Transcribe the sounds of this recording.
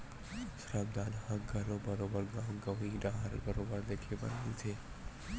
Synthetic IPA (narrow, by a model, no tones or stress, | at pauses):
sɾabd̪anhãɡʱəɾobəɾobəɾɡaːmɡəʋiɖãɦəɾbəɾobəɾd̪ekʰebə̰nnĩt̪ʰe